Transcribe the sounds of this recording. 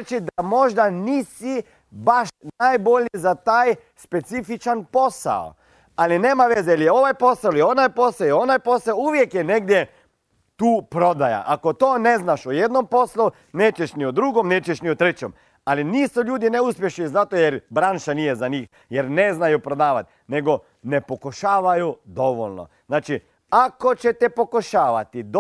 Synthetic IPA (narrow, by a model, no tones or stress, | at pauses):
t͡ʃid̪amo̞ʒd̪aniːsi | baʃnajbo̞ʎizat̪aːj | spet̪sifit͡ʃanpo̞sa̰o̰ | alineːmaʋezeilijeo̞ʋajpo̞saolio̞najpo̞saoio̞najpo̞saouʋjekjɛneɡ̚d̪je | t̪uːpɾo̞d̪aja̰ʔakot̪oːneznaʃojed̪nompo̞slu | ne̞ːt͡ɕeʃniod̪ɾuɡomneːt͡ɕeʃniot̪ɾet͡ɕem | aliniːsuʎuːd̪ineuspjeʃnizat̪ojeɾbɾanʃanijezaɲiːx | jeɾne̞znajupɾo̞d̪aːʋat̪ | ne̞ɡo̞ | ne̞pokoʃaːʋajud̪o̞ʋo̰ʎno̞̰znaːt͡ʃi | ako̞t͡ɕet̪ɛpokoʃaːʋat̪id̪